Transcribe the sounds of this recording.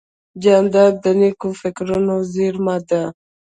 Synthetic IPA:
d͡ʒand̪ad̪ənikufɪkɾunoziɾmad̪a

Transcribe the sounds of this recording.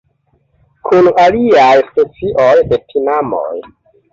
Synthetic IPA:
kʰunaliajspe̞t͡siʔojde̞tʰinamo̰j

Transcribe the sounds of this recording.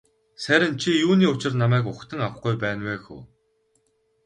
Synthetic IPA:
sæɾʲɪ̆nt͡ɕʰijuːniːʊt͡ɕɪ̆rnamæːk̬ʊxt̪ʰə̆ŋaw̆χɡujpæːnweːxṵː

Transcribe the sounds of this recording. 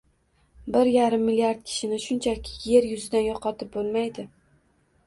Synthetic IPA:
bɪɾjaɾɪmːɪlijaɾd̪̚kʲʰɪ̥ʃɪnɪʃʊnt͡ʃʰakʲʰɪ̥je̞ɾjʊzɪd̪anjɒqʰɒt̪ʰɪp̚bolˠmajd̪ɪ

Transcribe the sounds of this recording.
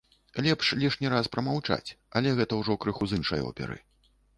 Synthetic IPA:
lʲɛpʂlʲiʂnʲiɾaspɾɐmawt͡ʂa̰t͡sʲɐlʲɛɣɛt̪ɐwʐɔkɾɨxuzɨnʂɐ̰jɔ̰pʲɛ̰ɾɨ̰

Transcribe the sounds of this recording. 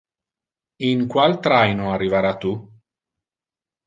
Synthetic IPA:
iŋkwalt̪ɾajnoarːivaɾat̪u

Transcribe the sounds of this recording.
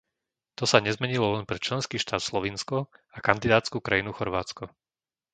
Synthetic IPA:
t̪ɔsaɲɛzmɛɲilɔlɛnpɾɛt͡ʃlɛnskiːʃt̪aːt̪slɔʋiːnskɔakand̪id̪aːt̪t͡skuːkɾajinuxɔɾʋaːt͡skɔ

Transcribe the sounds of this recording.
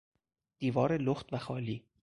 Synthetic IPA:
d̪̥iːvɒːɾeloxt̪væxɒːliː

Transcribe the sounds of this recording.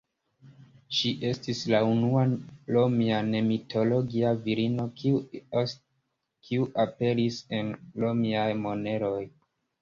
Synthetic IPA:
ʃiʔe̞stislaunualo̞miane̞mitʰo̞lo̞ɡiaviɾino̞ | kʰiuʔape̞ɾise̞nlo̞miajmo̞ne̞ɾo̞j

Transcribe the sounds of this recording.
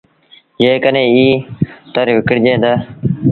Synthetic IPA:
jeːkəneːiːt̪əɾʋɪkəɽd͡ʒẽːd̪aː

